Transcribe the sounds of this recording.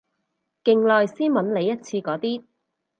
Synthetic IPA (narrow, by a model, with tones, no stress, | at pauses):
kɪ˨˧ŋlɔː˨˧jsiː˥nwɐ˨˥nle˨˧jːɐ˥t̚t͡sʰiː˧kɔː˨˥t̪iː˥